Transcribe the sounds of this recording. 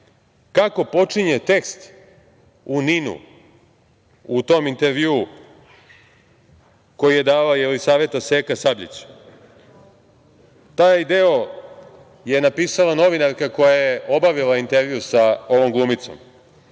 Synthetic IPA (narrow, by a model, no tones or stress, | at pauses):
kako̞po̞t͡ʂiɲet̪e̞kst̪ | uninṵ | ut̪o̞ːmint̪eɾʋiuu | ko̞jije̞d̪aːajelisaːʋe̞t̪aseːkasabʎḭt͡ɕ | t̪aːjd̪eo | je̞napiːsalano̞ʋinaɾkako̞jajeo̞baʋilaint̪e̞ɾʋijusao̞ʋo̞mɡlˠuːmit̪so̞̰m